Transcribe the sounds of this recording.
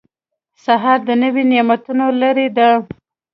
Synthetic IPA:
saɦɑɾd̪ənəwinemat̪unolaɾed̪ə

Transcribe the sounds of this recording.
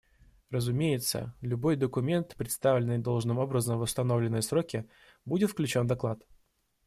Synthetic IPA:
rəzʊmʲejɪt̪sə̰lʲʊbo̞jd̪əkʊmʲe̞nt̪pɾʲɪt̪st̪avlʲɪnːɨjd̪o̞lˠʐnɨmo̞bɾəzəmvəst̪ɐno̞vlʲɪnːɨjsɾokʲɪ | budʲɪt̪fklʲʉt͡ɕo̞nd̪ɐklˠat̪

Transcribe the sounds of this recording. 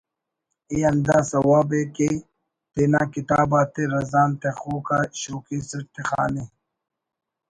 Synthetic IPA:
iɐnd̪aːsɐwaːbeke | t̪enaːkit̪aːbaːt̪eɾɐzaːnt̪exuːkaːɕoːkiːsɐʈt̪exa̰ːne

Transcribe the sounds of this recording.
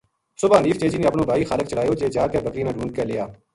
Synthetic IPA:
sʊbaːniːft͡ʃeːd͡ʒiːneːəpnõːbʱaːiːxaːlək̚t͡ʃəɽaːjoːd͡ʒeːd͡ʒaːkebəkɾiːnaːɖʱũːɳɖ̚kəlɪjaː

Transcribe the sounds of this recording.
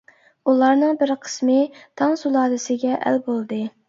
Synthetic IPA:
ulˠɑɾnɨŋbɪɾqʰə̥smɨt̪ʰɑŋsulˠɑːd̪ɨsɪɡʲɛʔæ̰lbolˠd̪ɨ

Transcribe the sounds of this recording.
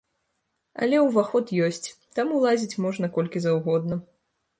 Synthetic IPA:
ɐ̰lʲɛwvaxɔt̪jɔsʲt͡sʲt̪amulˠazʲit͡sʲmɔʐnɐkɔlʲkʲizɐwɣɔd̪̚nɐ

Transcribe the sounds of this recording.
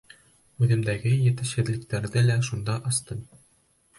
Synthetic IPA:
ʉðɘ̆md̪æɡɘjɘ̆t̪ɘɕɘ̆ð̆lɘ̆k̚t̪æɾðɘlæʃund̪ɑʔɑst̪ɤn

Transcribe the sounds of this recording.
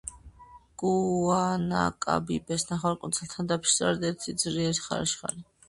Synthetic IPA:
ɡ̥uana̰kʼa̰bibɛsnaχaɾkʼunt̪sʰɛlt̪ʰand̪apʰsʼɔ̰ɾɛd̪ɛɾt̪ʰid̪zɾiɛɾisχa̰ɾa̰ʃχa̰li

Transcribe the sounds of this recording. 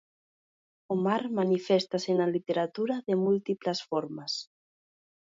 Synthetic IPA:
omaɾmanifest̪asenalit̪eɾat̪uɾaðemult̪iplasfɔɾmas

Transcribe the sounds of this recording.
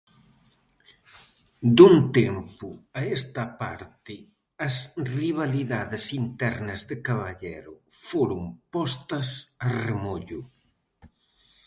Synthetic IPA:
d̪unt̪ɛmpʊaest̪ɐpa̰ɾt̪ɪ | ɐsriβ̞aliðaðɪsint̪ɛɾnɐzðɪkaβaʎɛɾʊfoɾʊŋpɔst̪ɐsaremoʎʊ

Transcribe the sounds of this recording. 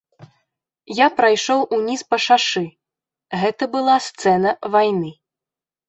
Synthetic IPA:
japɾajʂɔwʔunʲispɐʂaʂɨ | ɣɛt̪ɐbɨlˠast̪sɛnɐvajnɨ

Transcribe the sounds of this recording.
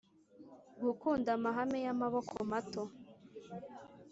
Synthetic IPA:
ɡukuːndamaɦamejamaβokʰomato

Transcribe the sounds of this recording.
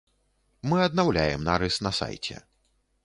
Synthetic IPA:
mɨɐd̪̚nawlʲajɛmnaɾɨsnɐsa̰jt͡sʲɛ̰

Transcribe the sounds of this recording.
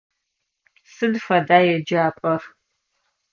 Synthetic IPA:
sɨdfɐdaːjɛd͡ʒaːpʼɐr

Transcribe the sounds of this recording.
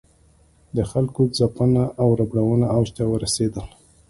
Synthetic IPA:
d̪əxalkozapənaʔawɾabɽawənaawʃt̪awəɾased̪əl

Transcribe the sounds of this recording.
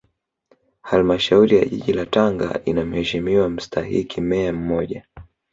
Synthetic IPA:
halmaʃauɾija̰ʄḭʄilataŋɡa̰ʔinam̩hɛʃimiwam̩stʰahḭkʰimɛam̩mɔʄa

